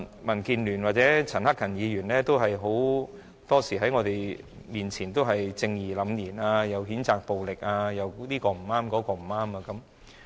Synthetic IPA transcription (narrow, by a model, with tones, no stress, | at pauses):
mɐ˨˩nkiː˨˧nlyː˨˩nwa˨t̚t͡sɛː˨˥t͡sʰɐ˨˩nhɐ˥kːʰɐ˨˩njiː˨˧jyː˨˩nlɛː˥t̪o˥wɦɐ˨jɦo˨˥w | t̪ɔː˥siː˨˩ɦɐ˨˥jŋɔː˧t̪e˨j | miː˨nt͡sʰiː˨˩nt̪o˥wɦɐ˨jt͡sɪ˧ŋjːlɐ˨˥mjiː˨˩naː˧jɐ˨˧wɦiː˨˥nt͡saː˨k̚po˨wlɪ˨k̚aː˧jɐ˨˧wliː˥kɔː˧m̩˨˩aː˥mkɔː˨˥kɔː˧m̩˨˩aː˥maː˧kɐ˨˥m